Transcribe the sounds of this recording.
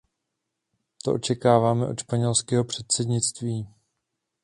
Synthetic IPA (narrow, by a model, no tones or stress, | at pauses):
t̪o̰ʔo̞t͡ʃɛkaːvaːmɛʔo̞t̪ʃpaɲɛlskɛːɦo̞pr̝̥ɛt̪̚sɛdɲɪt͡st̪viː